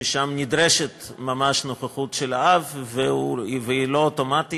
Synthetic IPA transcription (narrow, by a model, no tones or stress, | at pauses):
iʃamnid̪ɾeʃet̪mamaʃnoχaχutʃelaaveveilootomati